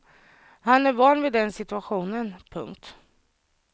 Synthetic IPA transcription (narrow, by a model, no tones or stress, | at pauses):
hanæɾvɑnvɪd̪ɛnsɪt̪ɵaɧuːnənpʰɵ̰ŋk̚t̪